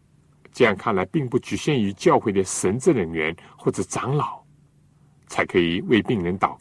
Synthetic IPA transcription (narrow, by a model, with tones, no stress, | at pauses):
ʈ͡ʂɤ˥˧jɑ˥˧ŋkʰa˥˩nla˧˥ɪpi˥˧ŋpu˥˩t͡ɕy˨˩ɕjɛ˥˩ny˧˥t͡ɕjɑ˥˧ʊxwe˥˩ɪd̪ə˩ʂə˧˥nt͡sɹ̩˥˩ɻə˧˥ŋɥɛ˧˥nxwɔ˥˩ʈ͡ʂɤ˨˩ʈ͡ʂɑ˧˥ŋlɑ˨˩˦ʊ | t͡sʰa˧˥ɪkʰɤ˧˥i˨˩we˥˧ɪpi˥˩ŋɻə˧˥nt̪ɑ˨˩ʊ